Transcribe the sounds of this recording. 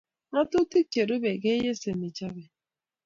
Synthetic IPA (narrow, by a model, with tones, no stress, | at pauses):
a˦tʊ˦ti˦t͡ʃe˨ɾo˦be˨ɡe˦je˦se˨mi˨t͡ʃa˦be˨